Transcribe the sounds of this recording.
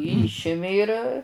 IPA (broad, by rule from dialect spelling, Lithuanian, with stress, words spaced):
ˈiːʃʲɪmʲɪ ɪr